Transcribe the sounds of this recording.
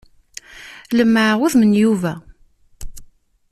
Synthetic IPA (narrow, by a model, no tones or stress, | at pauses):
ləmːəʕwuðmənjuvæ